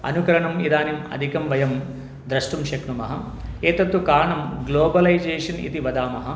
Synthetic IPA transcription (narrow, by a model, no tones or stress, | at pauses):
ɐ̰nukɐɾɐɳɐmid̪aːnimɐ̰d̪ʱikɐmʋɐjɐm | d̪ɾɐʂʈumʃɐkɳumɐɦɐ | eːt̪ɐt̪ːukaːɳɐmɡloːbɐlɐjd͡ʒeːʂɐnḭt̪iʋɐd̪aːmɐɦɐ